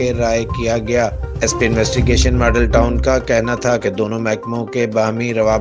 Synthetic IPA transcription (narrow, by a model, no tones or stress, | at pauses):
eɾaːjkijaɡɐjaːɛspiɪnʋɛːsʈɪɡeːʃənmɔːɖəlʈaːʊnkakɛɦnat̪ʰaked̪oːnõmɛɦkmõkebaːmiɾɐʋaː